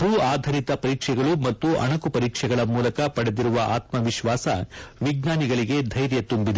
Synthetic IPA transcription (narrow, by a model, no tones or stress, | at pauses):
bʱuːaːd̪ʱɐɾit̪ɐpɐɾiːkʂɛɡɐɭumɐt̪ːuʔɐ̰ɳɐkupɐɾiːkʂɛɡɐɭɐmuːlɐkɐpɐɽed̪iɾuʋɐʔaːt̪mɐʋiʃʋaːsɐʋiɡnaːniɡɐɭiɡe̞d̪ʱɐjɾjɐt̪umbid̪e